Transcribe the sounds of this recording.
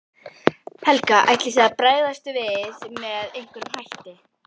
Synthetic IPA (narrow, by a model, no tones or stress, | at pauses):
hɛlkaʔa̰jt̪lɪθ̬ɛðapɾaːjðast̪ʏvɪðmɛðejŋ̥kʏɾʏmhajht̪ɪ